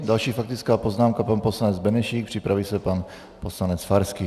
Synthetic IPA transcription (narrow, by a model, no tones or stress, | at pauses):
dalʃiːfakt̪ɪt͡skaːpoznaːmkapanposlanɛd͡zbɛnɛʃiːk̚pr̝̥ɪpɾaviːsɛpan | poslanɛt͡sfaɾskiː